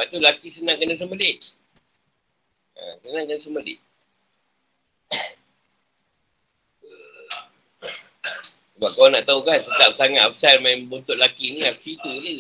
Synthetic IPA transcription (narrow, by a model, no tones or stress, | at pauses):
aʔt̪ulakisənãŋkənas̬əməlɪt̪̚ | a̰sənãŋkənas̬əməlɪ̰t̪̚ | səbap̚kawaŋnaʔt̪aukansət̪ap̚saŋat̪ap̚salmambənt̪ʊʔlakiniak̚sit̪uni